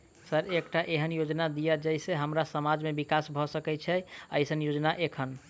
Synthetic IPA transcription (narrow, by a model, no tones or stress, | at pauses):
səɾekʈaʔeɦənjod͡ʒnad̪ijad͡ʒəjseɦəmɾasəmad͡ʒmebikasbʱɔsəkɛt͡ʃʰɛə̰jsənjod͡ʒnaʔekʰən